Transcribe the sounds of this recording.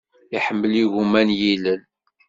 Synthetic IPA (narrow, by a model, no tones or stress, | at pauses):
iħəmːəliʝumænjilən